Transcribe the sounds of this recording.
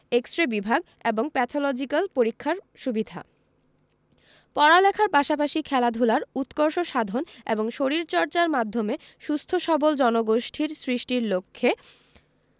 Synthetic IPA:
eksʈɾebibʱaɡ̚ | eboŋpɛt̪ʰolɔd͡ʑikalpoɾikʰːaɾʃubid̪ʱa̰ | pɔɾalɛkʰaɾpaʃapaʃikʰɛlad̪ʱulaɾut̪koɾʃoʃad̪ʱonḛboŋʃoɾiɾt͡ɕɔɾt͡ɕaɾmad̪ʱːome | ʃust̪ʰoʃɔbold͡ʑɔnoɡoʃʈʰiɾsɾiʃʈiɾlokʰːe

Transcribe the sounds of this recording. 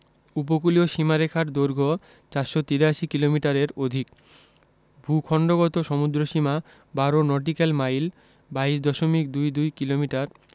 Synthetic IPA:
up̬okulioʃimaɾekʰaɾd̪oɾɡʱo | t͡ɕaɾʃot̪iɾaʃikilomiʈaɾeɾod̪ʱik | bʱukʰɔɳɖoɣɔt̪oʃɔmud̪ɾoʃima | baɾonɔʈ̬ikalmajl | baiʃd̪ɔʃomik̚d̪ujd̪ujkilomiʈaɾ

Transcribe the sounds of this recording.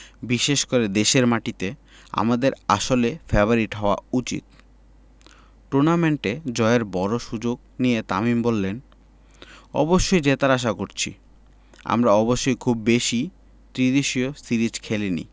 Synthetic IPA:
biʃeʃkoɾed̪eʃeɾmaʈit̪e | a̰mad̪eɾa̰ʃolefɛboɾiʈɦɔoa̰ut͡ɕḭt̪̚ | ʈuɾnameɳʈed͡ʑɔeeɾbɔɾoʃud͡ʑoɡ | nijet̪a̰mimbolːen | ɔ̰boʃːojd͡ʑet̪aɾaʃ̬akoɾt͡ɕʰḭ | a̰mɾaɔboʃːojkʰubːeʃi | t̪ɾid̪eʃiosiɾid͡ʑkʰelenḭ

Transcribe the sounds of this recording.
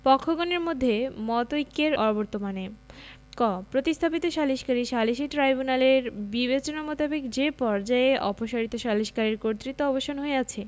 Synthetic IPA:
pɔkʰːoɡoneɾmod̪ʱːemɔt̪ojkːeɾɔɾoboɾt̪omane | kɔpɾot̪ist̪ʰapit̪oʃaliʃkaɾiʃaliʃiʈɾajbunaleɾbibet͡ɕonamot̪abikd͡ʑepɔɾd͡ʑaeʔɔpoʃaɾit̪oʃaliʃkaɾiɾkoɾt̪ɾit̪ːoɔboʃonɦoeat͡ɕʰe

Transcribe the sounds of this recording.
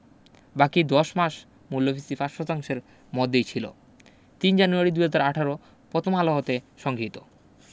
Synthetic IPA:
bakid̪ɔʃmaʃ | mulːofʰisifasʃɔt̪aŋʃeɾ | mɔd̪ːejt͡ɕʰilo̰ | t̪ind͡ʑanuaɾid̪uɦad͡ʑaɾaʈʰaɾo | pɾɔt̪ʰomaloɦot̪eʃɔŋɡʱit̪o

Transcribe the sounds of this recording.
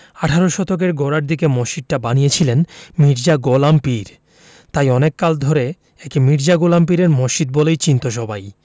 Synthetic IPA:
aʈʰaɾoʃɔt̪ʰok̬eɾɡoɾaɾd̪ikemɔʃid̪̚ʈabanijet͡ɕʰilenmiɾd͡ʑaɡolampiɾ | t̪ajɔnekːald̪ʱoɾe | ekimiɾd͡ʑaɡolamp̬iɾeɾmɔʃid̪̚bɔlejt͡ɕint̪oʃɔbʱaj

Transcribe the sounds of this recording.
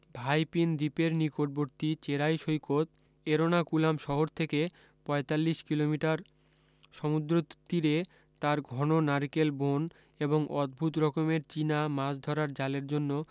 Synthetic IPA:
bʱajpind̪ipeɾnikoʈ̚boɾt̪it͡ɕeɾajʃojkot̪̚ | eɾonakulamʃɔɦoɾt̪ʰeke | pɔet̪alːiʃkilomiʈaɾ | ʃɔmud̪ɾot̪iɾe | t̪aɾɡʱɔnonaɾikelbon | eboŋʔɔd̪̚bʱut̪ɾɔkomeɾt͡ɕinamasd̪ʱɔɾaɾd͡ʑaleɾd͡ʑonːo

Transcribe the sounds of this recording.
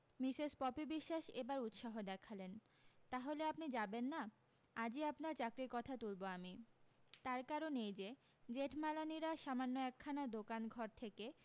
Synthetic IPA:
misespɔpibiʃːaʃebaɾut̪ʃaɦod̪ɛkʰalen | t̪aɦoleapnid͡ʑabenːa | ad͡ʑiapnaɾt͡ɕakɾiɾkɔt̪ʰat̪ulboamit̪aɾkaɾonejd͡ʑe | d͡ʑeʈʰmalaniɾaʃamanːoɛkʰːanad̪okanɡʱɔɾt̪ʰeke

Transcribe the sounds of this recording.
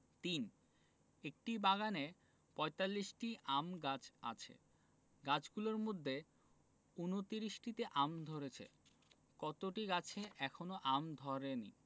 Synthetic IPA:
t̪in | ek̚ʈibaɡane | pɔet̪alːiʃʈiʔamɡat͡ɕʰa̰t͡ɕʰḛ | ɡat͡ɕʰɡuloɾmod̪ʱːe | unot̪iɾiʃʈit̪eʔamd̪ʱoɾet͡ɕʰḛ | kɔt̪oʈiɡat͡ɕʰeʔɛkʰonoʔamd̪ʱɔɾenḭ

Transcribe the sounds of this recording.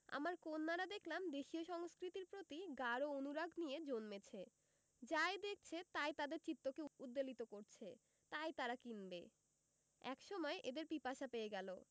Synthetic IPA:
a̰maɾkonːaɾad̪ekʰlamd̪eʃioʃɔŋskɾit̪iɾpɾot̪iɡaɾoonuɾaɡnijed͡ʑonmet͡ɕʰe | d͡ʑajd̪ek̚ʰt͡ɕʰet̪ajt̪ad̪eɾt͡ɕit̪ːokeud̪ːalit̪okoɾt͡ɕʰe | t̪ajt̪aɾakinbe | ɛ̰kʃɔmɔeʔed̪eɾpipaʃapeeɡɛlo

